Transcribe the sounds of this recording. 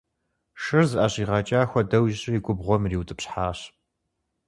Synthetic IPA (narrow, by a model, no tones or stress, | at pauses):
ʂɨrzɨʔaːɕʼiːʁɑːt͡ʃʼaːxʷɔdɐwʒɕʼɐiɡʷʼʊbʁʷɔmriːwtʰʼɨpɕħaːɕ